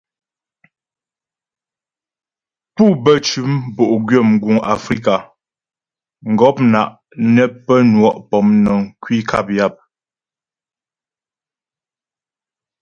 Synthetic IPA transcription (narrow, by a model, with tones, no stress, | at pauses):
pu˦bə˦˨t͡ʃʉ˨˦mbo˨ʔɡɥə˦˨m˨ɡu˨ŋa̰˨fɾi˦ka˨ | ŋ̩˨ɡɔ˦p̚na˨ʔ | nɛ˦pə˦nwɔ˦ʔpɔ˨mnə˨ŋkwi˦kʰa˦˨p̚ja˦˨p̚